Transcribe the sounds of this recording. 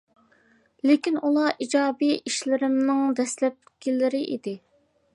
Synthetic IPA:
lɪkʲinulˠɑʔid͡ʒɑːbiiʃlɪɾɪmnɪŋd̪ɛslɛp̚kʲʰilɪɾɪʔḭd̪ɪ

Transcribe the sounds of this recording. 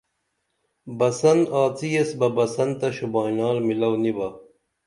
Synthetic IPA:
bɐsɐnaːt͡siesbɐbɐsɐnt̪ɐɕubaːnaːlmilɐwnibɐ

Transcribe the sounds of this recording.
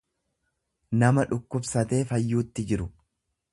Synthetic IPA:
nɐmɐᶑʊkːʊbsɐt̪e̞ːfɐjːuːt̪ːɪd͡ʒɪɾʊ

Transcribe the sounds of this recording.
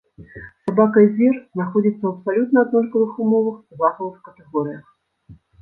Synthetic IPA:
sabakɐzʲirznaxɔd͡zʲit̪sːɐɐpsalʲut̪nɐɐd̪nɔst̪ɐvɨxumɔvɐxuzaxɐvɨxkɐt̪ɛɣɔɾɨjɐx

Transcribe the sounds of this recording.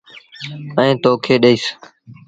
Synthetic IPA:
ɛ̃ːt̪oːkʰeːɗəiːs

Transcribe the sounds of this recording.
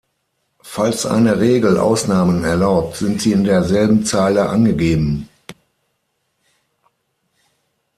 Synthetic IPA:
falsʔa̰ɪnəʁeːɡl̩ʔa̰ʊsnaːmənɛɐlaʊp̚tz̥ɪntz̥iːɪndeːɐzɛlbm̩t͡saːləʔanɡəɡeːbm̩

